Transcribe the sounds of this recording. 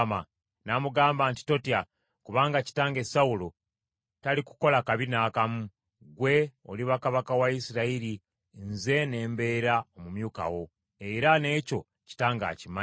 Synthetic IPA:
ma | namuɡaːmbaːnti̥to̞tja | kuβaːŋɡaci̥taːŋɡe̞sawulo | taliku̥ko̞lakaβinaːkamu | ɡwe̞o̞̰liβakaβakawaisiɾaiɾi | nze̞ne̞ːmbe̞ːɾaomumjuːka̰wo̞ | e̞ɾane̞ːco̞ | ci̥taːŋɡa̰ːcima

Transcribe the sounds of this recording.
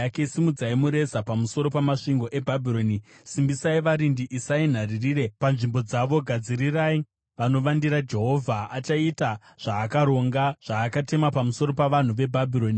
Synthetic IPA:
ake̞isimud͡zaimuɾe̞sapamuso̞ɾo̞pamaʂiŋɡo̞ʔe̞bʱabʱiɾo̞ni | simbisaiʋaɾindiʔisain̤aririːre̞panʐimbo̞d͡zaʋo̞ɡʱad͡ziɾirai | ʋano̞ʋandiɾad͡ʒe̞ɦo̞vʱaat͡ʃaita | ʐ̥aːkaɾo̞ŋɡaʐ̥aːkate̞mapamuso̞ɾo̞paʋan̤uʋe̞bʱabʱiɾo̞ːni

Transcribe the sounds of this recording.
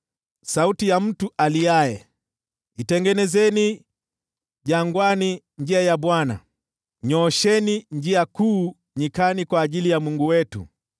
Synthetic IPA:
sautijam̩tuʔaliajɛ | itɛŋɡɛnɛzɛni | ʄaŋɡwani | ɲd͡ʒiajaɓwana̰ | ɲɔʃɛniɲd͡ʒiakuː | ɲikanikwaːʄilijamuŋɡuwɛtṵ

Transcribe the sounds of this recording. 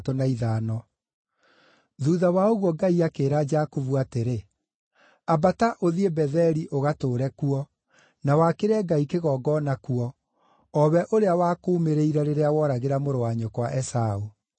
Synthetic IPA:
tonaiðaːnɔ | ðuðawaoɣwɔɡaiakeːɾad͡ʒakovuateɾe | abataʔoðiebɛðɛɾiʔoɣatoːɾɛkuɔ | nawakeɾɛɡaikeɣɔːɡɔːnakuɔː | βɛʔoɾeawaːkoːmeɾeiɾɛɾeɾeawɔɾaɣeɾamoɾowaɲokwaʔɛsau

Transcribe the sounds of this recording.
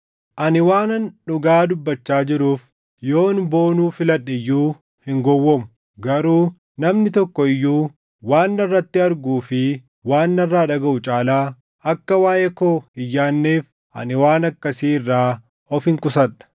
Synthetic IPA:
ʔɐnɪwaːnɐnᶑʊɡaːd̪ʊbːɐt͡ʃːaːd͡ʒɪɾuːf | jo̞ːnbo̞ːnuːfɪlɐᶑːɪjːuː | hɪŋɡɔwːɔmʊ | ɡɐɾuː | nɐmnɪt̪ɔkːɔɪjːuː | waːnːɐrːɐt̪ːɪɐɾɡuːfɪ | waːnːɐrːaːᶑɐɡɐʔʊt͡ʃʼaːlaː | ɐkːɐwaːʔekoːɪjːaːnːeːf | ʔɐ̰nɪwaːnɐkːɐsiːɪrːaː | ɔfɪŋkʼʊsɐᶑɐ̥

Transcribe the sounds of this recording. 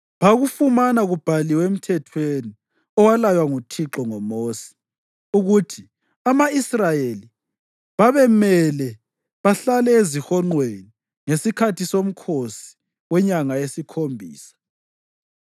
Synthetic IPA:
βaɣufumanaɣub̥ʱaliwem̩tʰɛtʰweni | ɔwalajwaŋutʰiǁɔŋɔmoːsi̥ | uɣutʰi | amaisrajeli | βaβɛmɛlɛ | βaɬalɛezixɔŋ͡ǃweni | ŋesikʰatʰisom̩kʰosi̥ | wɛɲaŋaesikʰombʱḭːsḁ

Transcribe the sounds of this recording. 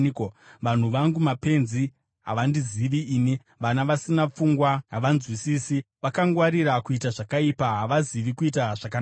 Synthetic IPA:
ʋan̤uʋaŋɡumape̞nzi | ɦa̰ʋandiziʋiiːni | ʋanaʋasinap͡fuŋɡwaɦaʋanzwisiːsi | ʋakaŋɡwaɾiɾakuitaʐakaipaɦaʋaziʋikuitaʐ̥akan

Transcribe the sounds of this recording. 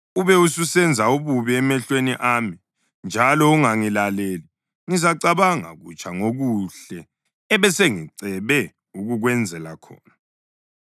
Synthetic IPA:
uβɛususɛnd͡zʱauβuβiɛmɛɬweniʔaːmi | nd͡ʒʱalɔuŋaŋilaleːli | ŋizaǀaβaŋa̰ɣṵt͡ʃʼʰaŋoɣuɬɛː | βɛseŋiǀɛβɛ | uɣuɣwɛnd͡zʱɛlakʰɔ̰ːna

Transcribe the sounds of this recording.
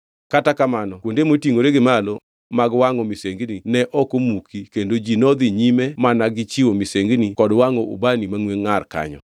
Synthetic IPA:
katakamanɔkwondemotiŋoɾeɡɪmalo | maɡwaŋɔmiseŋɡninɛʔɔkomukikendod͡ʒinɔd̪iɲimemanaɡɪt͡ʃiwomiseŋɡnikɔdwaŋɔʔṵbanimaŋweŋːarka̰ɲɔ̰

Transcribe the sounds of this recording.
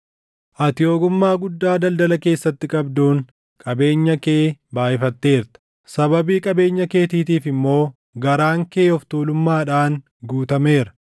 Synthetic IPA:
ʔɐt̪ɪo̞ːɡʊmːaːɡʊd̪ːaːd̪ɐld̪ɐlɐke̞ːsːɐt̪ːɪkʼɐbd̪uːŋ | kʼɐbe̞ːɲːɐkeːbaːʔɪfɐt̪ːe̞ːɾt̪ɐ̥ | sɐbɐbiːkʼɐbe̞ːɲːɐke̞ːt̪iːt̪iːfɪmːo̞ː | ɡɐɾaːŋkeːɔft̪uːlʊmːaːᶑaːŋ | ɡuːt̪ɐme̞ːɾɐ̥

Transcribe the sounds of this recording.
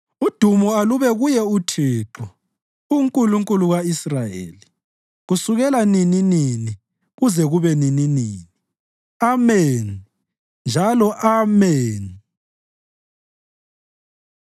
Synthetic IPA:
ud̥ʱumɔaluβɛɣujɛutʰiːǃu | uŋkʼuluŋkʼuluɣaisrajḛːli | ɣusuɣɛlanininini | ɣuzɛɣuβɛnininiːni | ameːn | nd͡ʒʱalɔʔamɛːn

